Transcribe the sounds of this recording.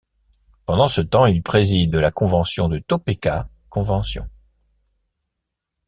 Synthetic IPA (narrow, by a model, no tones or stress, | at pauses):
pɑ̃d̪ɑ̃sət̪ɑ̃ilpχezid̪lakɔ̃vɑ̃sjɔ̃d̪ət̪opeka | kɔ̃vɑ̃sjɔ̰̃